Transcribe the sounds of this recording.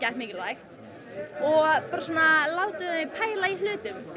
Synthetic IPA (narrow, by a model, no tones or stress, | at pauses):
cajht̪mɪːcɪɾlajxt̪ | ɔɣpaːɾasoɔːnalaːwt̪ʏepʰaːjlailʏːt̪ʏm